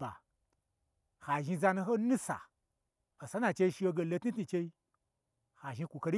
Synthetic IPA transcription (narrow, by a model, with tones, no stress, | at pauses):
a̰˨ | ha˨ʒi˧za˧nu˧ɦo˦nu˦sa̰˨ | o˨sa˨˦na˨t͡ʃe˧i˧ʃi˧wo˧ɡe˧˨lo˧tni˦tni˧t͡ʃe˧i˦ | ha˨ʒi˧kʷu˨ko˧ɾi˦